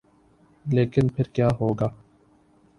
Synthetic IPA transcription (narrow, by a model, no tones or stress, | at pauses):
leːkɪnpʰɪɾkjaːɦoːɡaː